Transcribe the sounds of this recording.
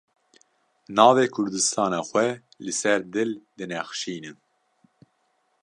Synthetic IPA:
nɑːveːkʰʊɾd̪ɨst̪ʰɑːnɑːxʷɛ | lɨsɛɾd̪ɨld̪ɨnɛxʃiːnɨn

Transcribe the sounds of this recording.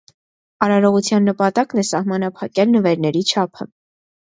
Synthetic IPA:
ɑɾɑɾɔʁut͡sʰjɑnːəpɑt̪ɑknɛsɑhmɑnɑpʰɑkɛlnəvɛɾnɛɾit͡ʃʰɑpʰə̰

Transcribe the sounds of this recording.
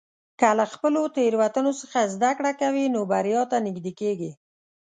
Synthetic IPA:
kalaxpəlot̪eɾwat̪ənosəxazd̪akɽakawinobaɾjɑt̪anɪɡd̪ekeɡi

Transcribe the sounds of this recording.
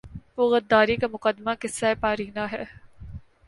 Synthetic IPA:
oɣɐd̪ːaːɾiːkɐmʊqɐd̪maːkɪsːaepaːɾiːnaːɦɛ

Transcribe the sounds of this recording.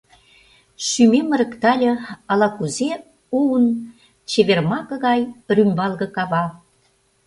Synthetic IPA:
ʃymemə̆ɾə̆kt̪ɑlʲɤ̆ɑlɑkuze | uən | t͡ɕeβermɑkɤ̆ɣɑjrymʲbɑlɣɤ̆kɑβɑ

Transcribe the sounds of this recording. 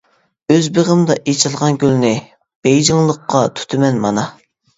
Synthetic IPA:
øzbeʁəmd̪ɑʔet͡ʃʰɨlˠʁɑnɡʲylnɪ | b̥ejd͡ʒɪŋlˠəqːɑt̪ʰy̥t̪ʰɪmɛnmɑnɑ

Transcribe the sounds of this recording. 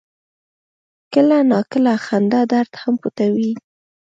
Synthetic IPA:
kəlanɑkəlaxand̪ad̪aɾd̪hamput̪awi

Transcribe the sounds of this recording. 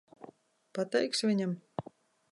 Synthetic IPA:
pat̪ɛjksvʲiɲʲam

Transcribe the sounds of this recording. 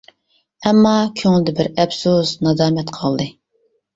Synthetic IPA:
ɛmːɑkʲʰøŋɪlɪd̪ɛbɪɾɛbsusnɑzɑːmɛt̪qʰɑlˠd̪ɨ

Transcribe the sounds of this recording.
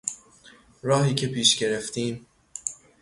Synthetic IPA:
ɾɒːɦiːcʰe̞pʰiːʃɡe̞ɾeft̪ʰiːm

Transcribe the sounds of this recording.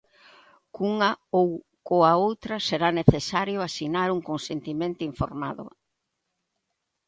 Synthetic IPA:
kuŋɐow | koaowt̪ɾɐseɾaneθesaɾjʊasinaɾuŋkonsent̪imẽnt̪ʊiɱfo̰ɾmaðʊ̰

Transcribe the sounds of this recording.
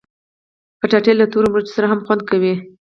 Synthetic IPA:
pəʈaʈelat̪oɾomɾat͡ʃt̪o̥saɾaɦamχxwand̪̚kawi

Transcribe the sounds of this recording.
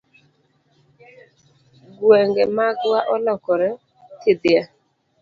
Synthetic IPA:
ɡwɛŋɡɛmaɡwaʔɔlɔkɔɾɛ | tɪd̪ɪa

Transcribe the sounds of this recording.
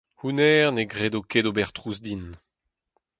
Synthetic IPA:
hunɛːʁneɡʁedokedobɛʁt̪ʁuzd̪in

